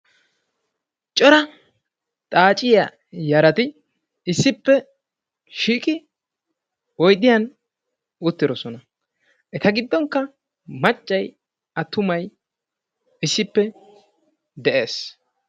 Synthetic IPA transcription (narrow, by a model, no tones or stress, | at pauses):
t͡ʃʼɔɾɐ | t̪ʼaːt͡ʃʼɪjɐ | jɐɾɐt̪ɪ | ɪsːɪpːɛ | ʃiːkʼɪ | wɔjd̪ɪjɐn | ʊt̪ːɪd̪ɔsɔnɐ | ʔɛt̪ɐɡɪd̪ːɔŋkːɐ | mɐt͡ʃʼːɐj | ɐt̪ːʊmɐj | ɪsːɪpːɛ | d̪ɛʔe̞ːs